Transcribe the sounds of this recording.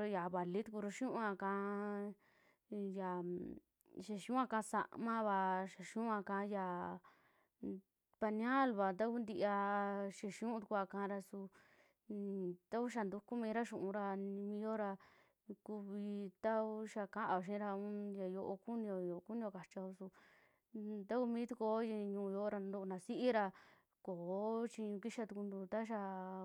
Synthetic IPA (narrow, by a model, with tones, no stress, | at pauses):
ɾo˧ja˨βa˨li˦t̪u˧ku˧ɾo˧ʃũ˦ʔã˧kã˧ | ja˨ | ʃe˧ʃũ˦ã˧kã˧˦˧sa̰˧ʔmã˦βa˧ʃa˨ʃũ˦ã˧kã˧˦ja˨ | pa˧nĩã˦˨lβa˧t̪̬a˦ku˦nd̪i˧ʔa˧ʃe˧˨ʃũ˦t̪u˧kʷa˧kã˧ɾa˧su˧ | t̪a˦ku˦ʃ̬a˧nd̪u˧ku˦mĩː˧ɾa˦ʃũ˨ʔũ˧ɾa˧nĩ˧mĩ˧jo˦ɾa˧ | ku˧βi˧t̪a˦u˦ʃa˧kã˦ʔa˧o˧ʃ̬ĩ˦ɾa˧ũ˦ja˨jo˧ʔo˧ku˦nĩ˧o˧jo˧ku˦nĩ˧o˧ka˨t͡ʃa˧o˧su˧ | t̪a˦ku˧mĩː˦t̪u˧˦ko˧˦ji˧ɲũː˧jo˧ɾa˧no˧nã˨si˦ʔi˦ɾa˧ | koː˨˦t͡ʃĩ˧ɲũ˧ki˦ʃa˧t̪u˧ku˧nd̪u˧t̪a˦ʃ̬a˧